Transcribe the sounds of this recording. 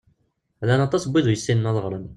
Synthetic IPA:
lænɑt̪ˤɑsbʷːiðujəsːinənɑðˤəʁɾˤən

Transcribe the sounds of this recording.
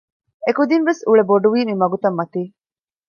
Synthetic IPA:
ekud̪inʋesuɭeboɖuʋiːmimɐɡut̪ɐmːɐt̪iː

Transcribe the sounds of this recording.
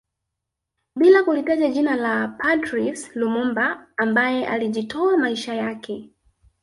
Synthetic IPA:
ɓilakulitaʄaʄinalapʰatɾikslumɔmbaːmbajɛʔa̰liʄitɔamaiʃajakʰɛ

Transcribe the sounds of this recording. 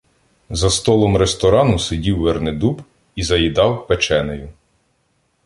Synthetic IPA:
zɐst̪ɔlˠɔmɾest̪ɔɾɑnʊsedʲiwːerned̪ub | izɐjid̪ɑwpet͡ʃɛnejʊ

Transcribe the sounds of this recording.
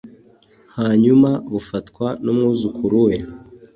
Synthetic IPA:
haɲumaβufatkwanumŋuːzukʰuɾuja

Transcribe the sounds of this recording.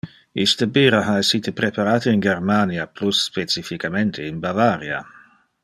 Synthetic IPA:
ist̪əbiːɾaɦaesiːt̪epɾepaɾaːt̪əinɡeɾmaniaplusːpet͡sifikament̪ʰeinbavaɾja̰

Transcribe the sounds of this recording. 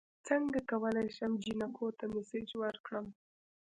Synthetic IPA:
t͡səŋɡakawəlajʃəmd͡ʒinakʰot̪amɪsed͡ʒwəɾkɽəm

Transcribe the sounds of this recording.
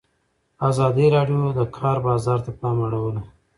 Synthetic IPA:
azɑd̪iɾɑɖijod̪əkʰɑɾbɑzɑɾt̪apɑmaɽawəla

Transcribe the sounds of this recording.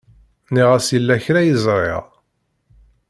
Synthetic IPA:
niʁæsəlːæçɾæjəzˤɾˤɪ̰ʁ

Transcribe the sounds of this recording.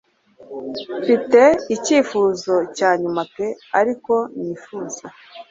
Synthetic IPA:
fite̞iciːfuːzo̞caːɲumape̞aɾiko̞niːfuːza

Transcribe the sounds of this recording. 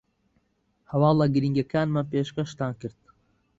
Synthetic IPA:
hɐwaːlˠaɡɨɾiŋɡakʰaːnmanpeːʃkɐʃt̪aːnkɨɾd̪̥̚

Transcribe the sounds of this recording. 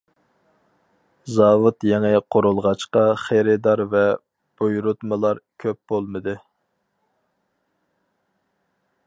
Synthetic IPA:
zɑːwut̪jɛŋɛqʰoɾulˠʁɑt͡ʃqɑχeɾɪd̪ɑɾvɛ | b̥ujɾut̪mɨlˠɑɾkʲʰøp̚b̥olˠmɨd̪ɨ

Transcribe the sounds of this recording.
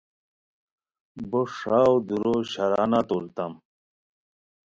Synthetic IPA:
boʂaːwd̪uɾoɕɐɾaːnat̪olt̪ɐm

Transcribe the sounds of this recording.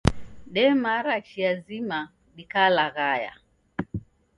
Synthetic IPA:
ɗɛmaɾat͡ʃiazima | ɗikalaɣaja̰

